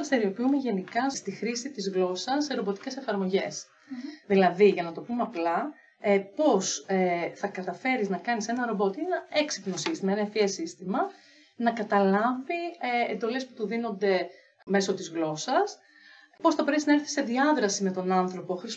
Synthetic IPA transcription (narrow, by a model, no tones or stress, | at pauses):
ɐst̪eɾio̞piumeʝe̞nikɐst̪ixɾisit̪izɣlo̞sɐsːe̞ɾo̞bo̞t̪i̥ce̞se̞fɐɾmo̞ʝe̞s | ðilɐðiʝɐnɐt̪o̞pumeɐplɐ | po̞seθɐkɐt̪ɐfe̞ɾiznɐkɐnise̞nɐɾo̞bo̞t̪ienɐeksipno̞sist̪imɐenɐefiesist̪imɐ | nɐkɐt̪ɐlɐviḛnd̪o̞le̞spu̥t̪uðino̞nd̪e̞ | me̞so̞t̪izɣlo̞sɐs | po̞sθɐbɾeiznɐe̞ɾθi̥se̞ðiɐðɾɐsime̞t̪o̞nɐnθɾo̞po̞xɾis